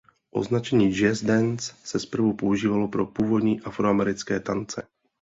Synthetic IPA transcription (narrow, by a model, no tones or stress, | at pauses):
ʔo̞̰znat͡ʃɛɲiːd͡ʒɪɛzdɛnssɛspr̩vupouʒiːvalopɾopuːvo̞d̪ɲiːʔafɾoamɛɾɪt͡skɛːt̪ant͡sɛ